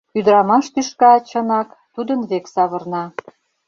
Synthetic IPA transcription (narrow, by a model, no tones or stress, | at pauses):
yd̪ɾɑmɑʃt̪yʃkɑt͡ɕɤnɑkt̪ud̪ənβeksɑβɤ̆rnɑ